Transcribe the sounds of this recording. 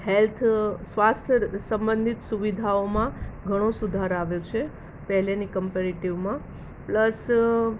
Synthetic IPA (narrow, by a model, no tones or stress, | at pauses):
helt̪ʰsʋast̪ʰsə̃mbənd̪ʱit̪suʋid̪ʱaomãɡʱəɽ̃osud̪ʱaɾaʋjot͡ʃʰe | pɛɦlenikəmpeɾeʈiʋmã | pləs